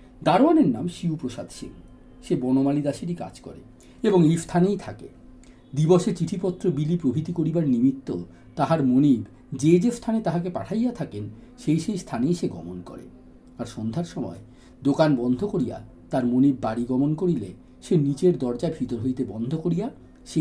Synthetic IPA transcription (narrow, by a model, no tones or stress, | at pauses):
d̪aɾoaneɾnamʃiupɾoʃa̰d̪ʱʃḭŋ | ʃebɔnomalid̪aʃiɾ̬ika̰d͡ʑkɔ̰ɾḛ | eboŋist̪ʰanejt̪ʰakḛ | d̪ibɔʃeɾt͡ɕiʈʰipɔt̪ːɾobilipɾobʱit̪ikoɾibaɾnimit̪ːo | t̪aɦaɾmonib | d͡ʑed͡ʑest̪ʰanet̪aɦakepaʈʰajjat̪ʰaken | ʃejʃejst̪ʰaneʃeɡɔmonkɔ̰ɾḛ | aɾʃond̪ʱaɾʃɔmɔ̰e | d̪okanbɔnd̪ʱokoɾija̰ | t̪aɾmonibːaɽiɡɔmonkoɾile | ʃenit͡ɕeɾd̪ɔɾd͡ʑaebʱit̪oɾɦojt̪ebɔnd̪ʱokoɾija | ʃe